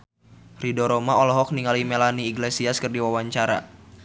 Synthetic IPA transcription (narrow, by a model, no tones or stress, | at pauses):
ridɔɾɔmaɔlɔɦɔk̚niŋalimelaniːɡlesiaskɨrdiwawaɲt͡ʃaɾa̰